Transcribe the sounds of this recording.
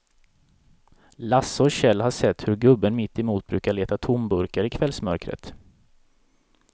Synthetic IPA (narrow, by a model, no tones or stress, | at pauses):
lasɔɕɛlːhaʂɛt̪ːhɵɾɡɵbːənmɪt̪ːɪmuːt̪̚bɾʉ̟ːkaɭeːt̪at̪ʰʊmbɵɾkaɾɪkʰvɛlsmœɾkɾə̰t̪